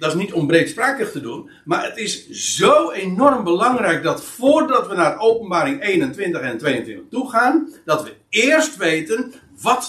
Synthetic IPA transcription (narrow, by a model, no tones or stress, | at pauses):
dɑɪsnitɔmbrejtspraːkəχtədun | maːɹətɪszowenɔrmbəlɑŋrɛjk̚dɑtfoːrdɑtʋənarəʔowpənbaːɾɪŋejnəntʋɪntəχɛntʋejəntʋɪntəχtuχaːndɑtʋəɪɹstʋejtən | ʋɑt